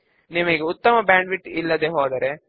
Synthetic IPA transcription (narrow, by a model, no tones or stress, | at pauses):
nimɐɡeut̪ːɐmɐbaːɳɖʋiʈːilːɐd̪eɦoːd̪ɐɾe